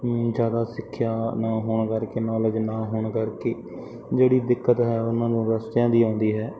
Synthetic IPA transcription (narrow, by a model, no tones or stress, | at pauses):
zjaːd̪aːsɪkʰːjaːnaːɦoːɳkəɾkeːnɔːləd͡ʒnaːɦoːɳkəɾkeː | d͡ʒeːɽiːd̪ɪkːət̪ɦɛːʊnãːd̪õːɾəst̪jãːd̪iːãːnd̪iːɦɛː